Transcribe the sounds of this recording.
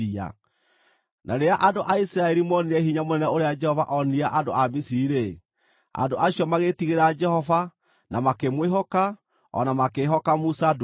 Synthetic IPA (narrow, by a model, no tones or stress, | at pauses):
ia̰ | nʔaɾeaʔandoʔaisɾaɛɾimɔniɾɛɦiɲamonɛnɛoɾead͡ʒɛhɔva̰ʔɔniaʔadoʔamisiiɾe | a̰ndoʔaɕjɔmaɣetiɣeɾad͡ʒɛhɔva | nʔamakemweɦɔka | ɔ̰namakeɦɔkamusad